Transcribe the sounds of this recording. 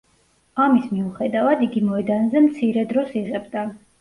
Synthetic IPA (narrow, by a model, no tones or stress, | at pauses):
amismiuχɛd̪avad̪iɡimɔɛd̪anzɛmt̪sʰiɾɛd̪ɾɔsiʁɛbd̪a